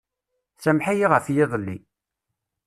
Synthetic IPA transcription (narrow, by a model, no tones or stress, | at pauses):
sæmħajiʁəfjɪðˤəlːḭ